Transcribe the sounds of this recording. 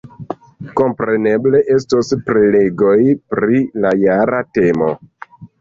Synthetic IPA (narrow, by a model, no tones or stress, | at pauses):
ko̞mpɾe̞ne̞ble̞ʔe̞stospɾele̞ɡo̞jpɾilajaɾate̞mo̰